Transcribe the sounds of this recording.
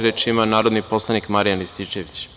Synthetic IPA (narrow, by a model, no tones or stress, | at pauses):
ɾet͡ʃimanaːɾod̪nipo̞slˠanikmaɾijanist̪it͡ʃeʋit͡ɕ